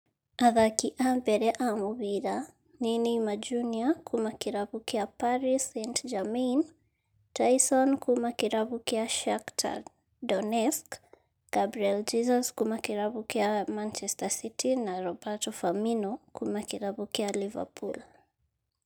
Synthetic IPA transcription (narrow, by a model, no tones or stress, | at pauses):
aðakiʔabɛɾɛʔamuβiɾa | ninimad͡ʒuniakʰumakiɾaβukiapaɾisɛntd͡ʒamin | tajsɔnkʰumakiɾaβukiaʃaktʰa̰ | dɔnɛsk | ɡ̥abɾiɛld͡ʒizɔskumakiɾaβukiamant͡ʃɛstasitʰinaɾɔbatɔfaminɔkʰumakiɾaβukialiva̰pʰul